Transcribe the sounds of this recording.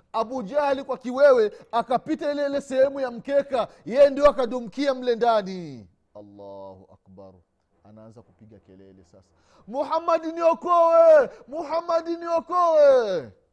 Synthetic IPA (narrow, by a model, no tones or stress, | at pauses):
aɓud͡ʒahlikwakiwɛwɛakapitailɛilɛsɛhɛmujam̩kɛkajɛjɛndiɔakaɗum̩kiam̩lɛndani | alːahuʔa̰kba̰ɾ | anaanzakupiɡakɛlɛ̰lɛ̰sa̰sḁ | muhamːadniɔkɔwɛmuhamːaɗiniɔkɔwɛ